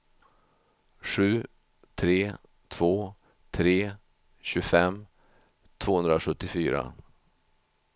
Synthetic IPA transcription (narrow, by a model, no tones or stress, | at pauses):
ʂʉ̟ː | t̪ʰɾeː | t̪ʰv̥oː | t̪ʰɾeː | ɕɵfɛmː | t̪ʰv̥oːhɵnd̪ɾaɧɵt̪ːɪfyːɾa̰